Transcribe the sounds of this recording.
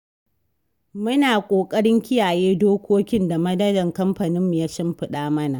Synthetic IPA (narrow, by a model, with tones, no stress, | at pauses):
mʊ˦naː˨kʷʼoː˨kʼɐ˦ɽɪ˦ŋkʲɪ˦jaː˨jeː˦doː˦kʷʰoː˦kʲɪ˦nda˨mɐ˦dɐ˦dɐ˨ŋkɐ˦mɸɐ˨nɪ˦mːu˨jaː˦ʃɐ˦mɸɪ˦ɗaː˦mɐ˦na˨